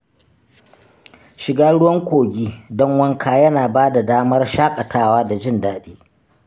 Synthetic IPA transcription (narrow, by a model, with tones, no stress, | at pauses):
ʃɪ˨ɡaː˦ɽʊ˦wɐ˦ŋkʷoː˨ɡʲiː˦dɔ˦ŋwɐ˦ŋkʰaː˨jɐ˦naː˨baː˦da˨daː˦mɐ˦rʃaː˦kʼɐ˨tʰaː˦waː˦da˨d͡ʒɪ˦˨ndaː˦ɗiː˦